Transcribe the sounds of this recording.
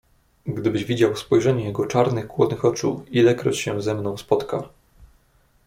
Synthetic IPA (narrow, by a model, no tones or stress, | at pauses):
ɡd̪ɘbɘʑvʲid͡ʑawspɔjʐɛɲɛjɛɡɔt͡ʂaɾnɘxkwɔd̪nɘxɔt͡ʂṵilɛkɾɔ̰t͡ɕɕɛzɛmnɔ̃w̃spɔt̪ka